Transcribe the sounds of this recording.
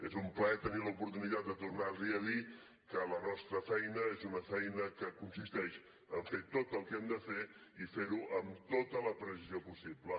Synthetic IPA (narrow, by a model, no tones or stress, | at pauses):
ezumplɛt̪əniləupuɾt̪unit̪at̪̚d̪ət̪urnaliəði | kələnɔst̪ɾəfɛjnəezunəfɛjnəkəkunsist̪ɛʃ | əɱfet̪ot̪əlˠkɛmd̪əfe | ifeɾuʔəmt̪ot̪ələpɾəs̬iziopusiblə